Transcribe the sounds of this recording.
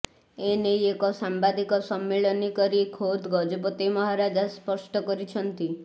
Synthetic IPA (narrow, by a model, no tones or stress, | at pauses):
enejekɔsambad̪ikɔsɔmːeɭɔnikɔɾikʰod̪ɡɔd͡ʒɔp̬ɔt̪imɔɦaɾad͡ʒaspɔsʈɔkɔɾit͡ʃʰɔnt̪i